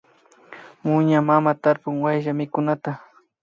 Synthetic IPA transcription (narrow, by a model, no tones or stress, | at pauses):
mʊɲamamat̪aɾpʊŋwajʒamɪkʊnat̪a